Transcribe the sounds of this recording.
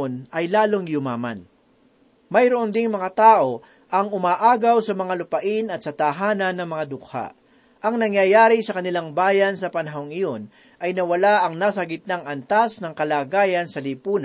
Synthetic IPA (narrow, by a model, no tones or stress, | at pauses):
nɐjlaːloŋjʊmaːma̰n | mɐjɾoʔond̪ɪŋmɐŋat̪aːʔo̞ | ʔɐŋʊmaːʔaːɡɐwsɐmɐŋalʊpɐʔɪnɐt̪sɐt̪aɦaːnɐnːɐŋmɐŋad̪ʊk̚ha̰ʔ | ʔɐŋnɐŋjaːjaːɾɪsɐkɐnɪlaŋbaːjɐnsɐpɐnɐɦoŋɪjo̞n | ʔɐjnɐwɐlaʔɐŋnaːsɐɡɪt̪̚naŋɐnt̪asnɐŋkɐlaːɡaːjɐnsɐlipuːn